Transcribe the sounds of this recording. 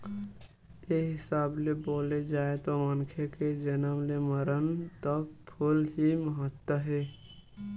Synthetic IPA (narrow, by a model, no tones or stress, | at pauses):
eɦɪsaːbleboːled͡ʒaːet̪omənkʰeked͡ʒənəmleməɾənt̪əpʰʊlɦiməɦət̪wəɦeː